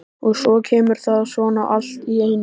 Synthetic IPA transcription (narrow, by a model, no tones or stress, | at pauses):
ɔɣsɔːcʰɛːmʏɾ̥θaðaðsvɔːnaʔal̥t̪ieːjn